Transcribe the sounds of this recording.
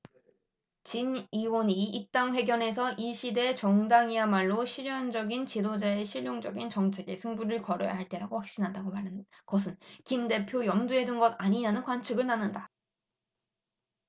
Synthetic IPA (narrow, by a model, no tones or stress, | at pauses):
t͡ɕiniwʌniːp̚t͈aŋɸwe̞ɡjʌne̞sʰʌʔiɕʰide̞t͡ɕʌŋdaŋiamaɭːoɕʰiɾjʌnd͡ʑʌɡint͡ɕidod͡ʑae̞ɕʰiʎːjoŋd͡ʑʌɡint͡ɕʌŋt͡ɕʰe̞ɡe̞sʰɯŋbuɾɯɭkʌɾo̰ja̰ɦaɭt͈e̞ɾaɡoɸak̚ɕ͈inɦandaɡomaɾ | kʌs̬ʰɯnkimde̞pʰjojʌmdue̞dunɡʌdaɲiɲanɯnkwant͡ɕʰɯɡɯɭnanːɯnda